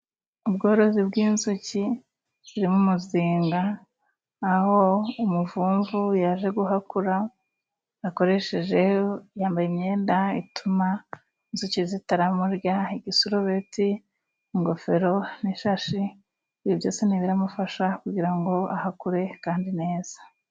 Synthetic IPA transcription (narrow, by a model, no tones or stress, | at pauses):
ubɡo̞ːɾo̞zibɡiːnzuci | z̥iɾimumuziːŋɡaː | ho̞umuvuːɱvujaʒe̞ɡuɦakuɾaː | ko̞ɾe̞ʃe̞ʒe̞jaːmbajemɲe̞ːndaḭtuma | inzucizitaɾamuɾjaiɡisuɾuβeti | iŋɡo̞fe̞ɾo̞niʃaʃi | βiβjo̞ːseniβiɾamufaʃakuɟiɾaŋɡo̞ahakuɾe̞kaːndine̞ːz̥ḁ